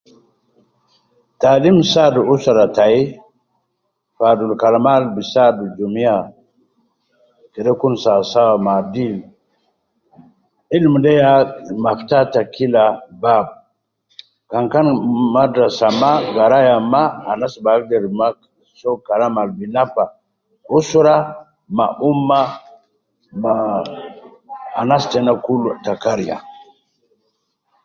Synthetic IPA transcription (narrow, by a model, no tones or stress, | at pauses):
talimsaduusaɾatai | fadulkalamalbisadud͡ʒumia | keɗekunsasawamadil | ilmdajamaftatakilabab̚ | kaŋkanmadɾasamaɡaɾajamaanasbakdeɾma | sokaɾamalbinapa | usuɾa | ma̰ʔumːa | ma | anastenakultakaɾja̰